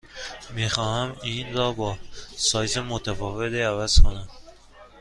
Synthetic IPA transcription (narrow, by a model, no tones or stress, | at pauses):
mixɒːhæminɾɒːbɒːsɒːjzemot̪ʰæfɒːvet̪iævæz̥kʰonæm